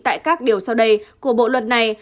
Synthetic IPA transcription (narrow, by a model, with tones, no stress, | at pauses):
t̪a̰ː˧˨jkaː˦˥k̚ɗi˨˩əwsa˧wɗə˧jku˨˧˩əɓo̰˧˨lwə˧˩t̚na˨˩j